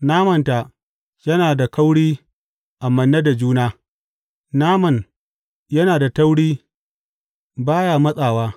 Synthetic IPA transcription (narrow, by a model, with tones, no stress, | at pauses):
naː˦mɐ˨nta˨ʔ | jɐ˦naː˨da˨kɐ˦wɽiː˦ | ʔa˨mɐ˨nːɐ˦da˨d͡ʒuː˦naː˦ | naː˦mɐ˨n | jɐ˦naː˨da˨tɐ˦wɽiː˦ | baː˦ja˨mɐ˦sʼaː˨waː˦